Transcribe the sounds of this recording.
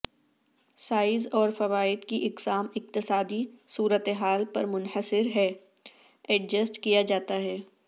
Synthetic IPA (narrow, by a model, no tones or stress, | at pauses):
saːɪzɔːɾfɐʋaːɪd̪kiʔɪqsaːmɪq̚t̪ɪsaːd̪isuːɾət̪eɦaːlpɐɾmʊnħəsɪɾɦɛ | ɛɖ̚d͡ʒəsʈkijad͡ʒaːt̪aɦɛː